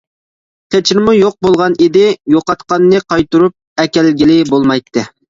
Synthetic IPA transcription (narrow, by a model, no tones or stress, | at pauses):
qʰet͡ʃʰinmujoq̚bolˠʁɑnid̪ɪjoqɑt̪qɑnːɨqʰɑjt̪uɾup̚ɛkʲɛlɡʲilɪbolˠmɑjt̪ʰːɨ